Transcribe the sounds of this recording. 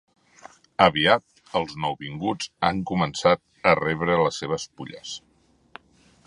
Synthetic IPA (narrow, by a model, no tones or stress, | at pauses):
əβiat̪̚ | əlˠznɔwβiŋɡud͡za̰ŋkumənsat̪̚ | ərɛβ̞ɾələsːeβ̞əspuʎə̰s